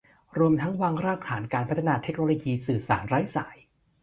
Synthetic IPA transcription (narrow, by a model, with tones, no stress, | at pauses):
ɾu˧əmt̪ʰa˦˥ŋwaː˧ŋɾaː˥˩k̚kʰaː˩˦nkaː˧npʰt̪ʰa˧naː˧t̪ʰe˦˥k̚noː˧loː˧jiː˧sɯː˨˩saː˩˦nɾaː˦˥jsa̰ː˩˦j